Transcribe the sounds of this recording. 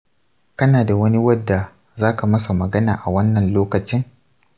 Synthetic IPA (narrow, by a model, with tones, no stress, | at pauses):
kɐ˦naː˨da˨wɐ˦ni˦wɐ˦dːa˨ | zaː˦ka˨mɐ˦sa˨mɐ˨ɡɐ˦naː˨ʔa˨wɐ˦nːɐ˨nloː˦kɐ˨t͡ʃɪ˦ŋ